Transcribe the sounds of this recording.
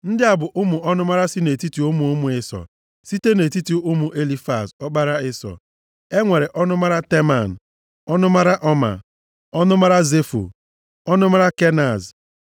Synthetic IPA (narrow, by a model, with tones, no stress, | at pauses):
n̩˦dɪ˦a˨bʊ˨ʔʊ˦mʊ˨ɔ˦nʊ˦ma˦ɾa˦si˦ne˨ti˦ti˨ʊ˦mu˨ʊ˦mʊ˨ɪ˦sɔ̰˨ | si˦te˦ne˨ti˦ti˦ʔʊ˦mu˨ʔe˦li˦fa˨sɔ˦ɡ͡ba˦ɾa˦ɪ˦sɔ̰˨ | e˦ŋʷe˨ɾe˨ʔɔ˦nʊ˦ma˦ɾa˦te˦ma˨n̩˨ | ɔ˦nʊ˦ma˦ɾa˦ʔɔ˦ma̰˨ | ɔ˦nʊ˦ma˦ɾa˦ze˦fṵ˨ | ɔ˦nʊ˦ma˦ɾa˦ke˦na˨z